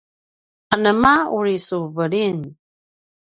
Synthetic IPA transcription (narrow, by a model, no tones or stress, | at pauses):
anəmauɾisuvəɾin